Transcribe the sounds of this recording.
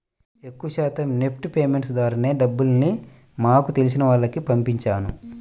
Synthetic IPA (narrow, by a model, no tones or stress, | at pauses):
e̞kːuʃaːt̪ɐmne̞pʰʈupeːme̞ɳʈsd̪aːɾɐne̞ːɖɐbːulɐni | maːkut̪elis̬inɐʋaːɭːɐkipɐmpiɲt͡ʃaːnu